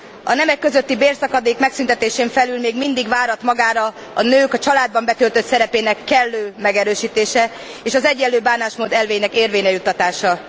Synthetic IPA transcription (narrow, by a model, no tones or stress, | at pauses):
ɒ̰nɛmɛkːøzøt̪ːibeːrsɒkɒd̪eːkmɛksynt̪ɛt̪eːʃeːɱfɛlylmeːɡmind̪iɡvaːɾɒt̪mɒɡaːɾɒ | ɒnøːkɒt͡ʃɒlaːd̪̚bɒmbɛt̪ølt̪øt̪sɛɾɛpeːnɛkːɛlːøːmɛɡɛɾøːʃiːt̪eːʃɛ | eːʃɒzɛɟːɛlːøːbaːnaːʃmoːd̪ɛlveːjnɛkeːrveːɲɛjut̪ːɒt̪aːʃɒ